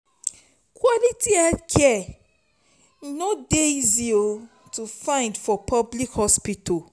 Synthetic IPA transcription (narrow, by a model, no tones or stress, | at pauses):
kʰwɔlitiɛdkʰɛ | nodeizio | tufãɪ̃ndfɔpʰɔblikhɔspitɔ